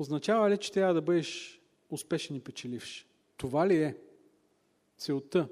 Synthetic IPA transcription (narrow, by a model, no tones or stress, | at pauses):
oznɐt͡ʃavɐlit͡ʃɛ̥t̪ɾʲjavɐd̪ɐbɤd̪ɛʃ | ʊspɛʃɛnipɛt͡ʃɛlifʃ | t̪ovaliɛ | t̪sɛʊt̪ə